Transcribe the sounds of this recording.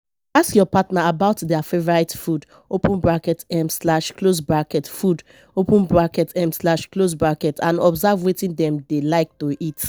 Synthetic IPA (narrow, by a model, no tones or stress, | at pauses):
askjɔpatnaabaʊtdɛafevɔɹaɪtfud | opə̃nbɹakɛtɛ̃mslaʃklosbɹakɛtfud | opũnbɹakɛtʰɛ̃mslaʃklosbɹakɛtãnɔbzavwetĩndɛ̃mdelaɪk̚toʔit